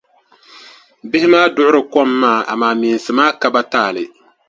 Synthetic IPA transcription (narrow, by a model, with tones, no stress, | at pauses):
bɪ˦hɪ˦maː˦dʊ˦ʔʊ˦ɾɨ˨kɔ˦mːaː˦˨a̰˨maː˨miː˨n˨sɨ˨maː˦ka˨ba˦taː˦˨lɪ˨